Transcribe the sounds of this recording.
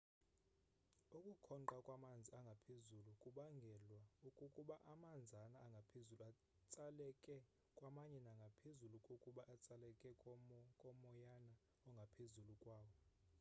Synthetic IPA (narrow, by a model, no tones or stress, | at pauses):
ukʼukʰɔnǃakʼwamand͡zʱiaŋɡʱapʰezulukʼuɓaŋɡʱɛlwaukʼukʼuɓaʔamand͡zʱanaːŋɡʱapʰezulua | t͡sʼalɛkʼɛ | kʼwamaɲɛnaŋɡʱapʰezulukʼukʼuɓaʔat͡sʼalɛkʼɛkʼɔkʼɔmɔjana | ɔŋɡʱapʰezulukʼwaːwɔ